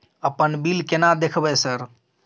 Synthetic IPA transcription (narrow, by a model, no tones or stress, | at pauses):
əpənbilkenad̪ekʰbɛsəɾ